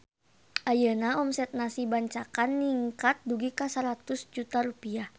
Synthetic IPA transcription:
ʔajənaɔmsɛt̪̚nasibaɲt͡ʃakanːiŋkat̪̚duɡikasəɾat̪ʊsd͡ʒut̪aɾupia

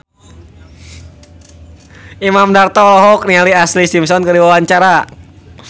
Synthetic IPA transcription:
imamdart̪alɔɦɔk̚nialiaslisimsɔnkədiwawaɲt͡ʃaɾa

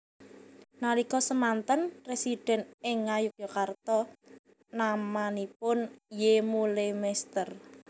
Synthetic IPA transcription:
nalikɔsəmant̪ənpɾesid̥ɛ̤nɪŋːajʊk̚jokart̪ɔ | namanipʊnjemulemɛst̪ər

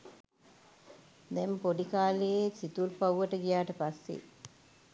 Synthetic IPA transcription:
d̪ɛmpoɖikaːlejesit̪ulpɐwːɐʈːɐɡijaːʈɐpɐsːḛ

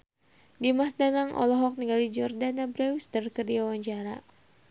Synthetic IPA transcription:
dimasdanaŋʔɔ̰lɔɦɔk̚niŋɡalid͡ʒɔrdanabɾɛwist̪ərkərdiawaɲt͡ʃaɾa̰

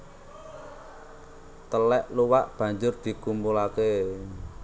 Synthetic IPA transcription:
t̪əlɛʔluwaʔb̥ä̤ɲd͡ʒʊrd̪̥i̤kumbulake

